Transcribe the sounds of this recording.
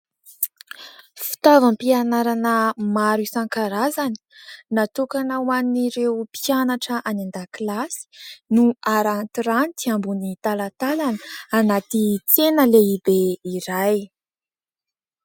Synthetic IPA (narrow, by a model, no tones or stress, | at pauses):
fi̥t̪avampianaɾanəmaɾusaŋkaɾazani̥nat̪ukanawaniɾeupianaʈ͡ʂəʔanand̪akilasi̥nuaɾant̪iɾanit͡s̪iambunit̪alat̪alanəanat̪it͡senəleibeiɾaj